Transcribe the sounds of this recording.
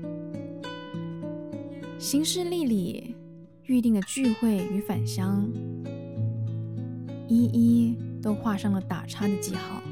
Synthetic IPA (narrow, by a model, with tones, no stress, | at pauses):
ɕi˧˥ŋʂɻ̩˥˧li˥˧li˨˩ | y˥˧t̪i˥˩ŋd̪ə˩t͡ɕy˥˧xwe˥˩ɪy˧˥fa˨˩nɕjɑ˥ŋ | i˥i˥t̪o˥ʊxwa˥˧ʂɑ˥˩ŋlə˩t̪a̰˨˩ʈ͡ʂʰa˥d̪ə˨t͡ɕi˥˧xɑ˥˩ʊ